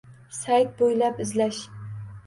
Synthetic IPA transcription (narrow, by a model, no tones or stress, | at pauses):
sajt̪̚bojlapɪzlaʃ